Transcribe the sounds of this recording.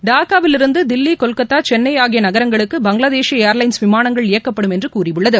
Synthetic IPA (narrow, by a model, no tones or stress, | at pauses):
ɖaːkaːʋɪlɪɾɯnd̪ɯd̪ɪlːikɔlkɐt̪ːaːt͡ʃɛnːɐjaːɣɪjɐnɐɣɐɾɐŋɡɐɭɯkːɯbɐŋɡɭɐðeːʃijɐejɐɾlɐɪnsʋɪmaːnɐŋɡɐɭɪjɐkːɐpːɐɽɯmɛndrɯkuːrɪʋɯɭːɐðɯ